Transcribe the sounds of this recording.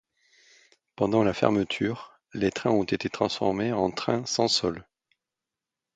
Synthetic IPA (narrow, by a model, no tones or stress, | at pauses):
pɑ̃d̪ɑ̃lafɛ̰ʁmət̪ʰyʁ | let̪χɛ̃ɔ̃t̪et̪et̪χɑ̃sfɔ̰ʁmeɑ̃t̪χɛ̃sɑ̃sɔl